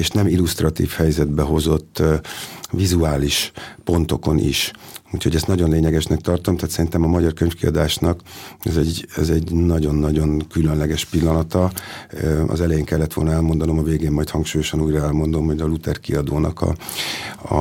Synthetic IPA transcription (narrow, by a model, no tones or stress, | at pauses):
eːʃnɛmilust̪rɒt̪ḭːfhɛjzɛd̪bɛɦo̞zo̞t̪ː | vizuaːliʃpo̞nt̪o̞ko̞nʔḭʃuːchoɟɛst̪nɒɟonleːɲɛɡɛʃnɛk̚t̪ɒrt̪o̞mt̪aːt̪sɛɾint̪ɛmɒmɒɟɒrkøɲfkiɒ̰d̪aːʃnɒkɛzɛɟɛzɛɟnɒɟo̞nːɒɟo̞ŋkylønlɛɡɛʃpilːɒnɒt̪ɒ | ɒ̰zɛlɛjeːŋkɛlːɛt̪ʋo̞lnɛlmo̞nd̪ɒno̞mɒveːɡeːmmːɒjt̪hɒŋkʃuːjo̞ʃɒnuːjrɒɛlmo̞nd̪o̞mho̞ɟɒlut̪ɛrkiɒd̪oːnɒ̰kɒ̰ | ɒ̰